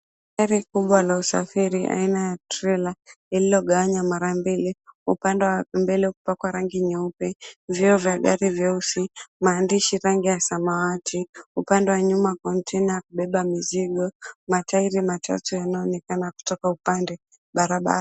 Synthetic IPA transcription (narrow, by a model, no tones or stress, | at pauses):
kaɾikuɓwalausa̰fiɾiʔa̰inajatɾɛla | ililɔɠawaɲamaɾambiliupandɛwambɛlɛukupakwaɾaŋɡiɲɛupɛvjiɔvjaɠaɾivjausimaːndiʃiɾaŋɡijasamawatʰiupandɛwaɲumakɔntʰɛnajakuɓɛɓamiziɡɔmataiɾimatʰa̰tujanaɔnɛkanaku̥tɔkaupandɛ | ɓaɾaɓa̰ɾa